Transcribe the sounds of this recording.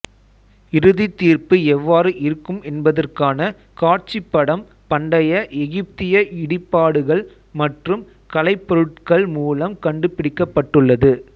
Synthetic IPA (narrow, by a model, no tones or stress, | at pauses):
ɪɾɯðit̪ːiːrpɯɛʋːaːɾɯʔɪɾɯkːɯmɛnbɐðɐrkaːnɐ | kaːʈt͡ʃɪpːɐɽɐm | pɐɳɖɐjɐʔɛɣɪp̚t̪ɪjɐʔɪɽɪpːaːɽɯɣɐɭ | mɐʈrɯm | kɐlɐɪpːɔɾɯʈkɐɭmuːlɐmkɐɳɖɯpɪɽɪkːɐpːɐʈːɯɭːɐðɯ